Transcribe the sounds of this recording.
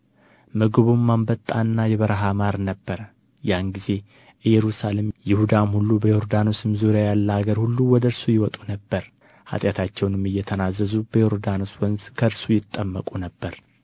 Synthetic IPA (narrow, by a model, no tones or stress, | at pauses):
mɨɡɨβumːambət̪ʼːanːajɛβəɾɦamaɾnəbːəɾə | janɡize̞ | ʔɨjːɛɾusalemjɪhud̪amhulːubəjoɾd̪anosɨmzuɾjajalːəaɡəɾhulːuwɔd̪əɾsujɪwɔt̪ʼunəbːəɾ | ha̰t̪ʼjat̪ʰat͡ʃːɛwnɨmɨjːɛt̪ʰənazːəzubəjoɾd̪anoswɔnzkʰəɾsujɪt̪ʼːəmːəkʼunəbːəɾ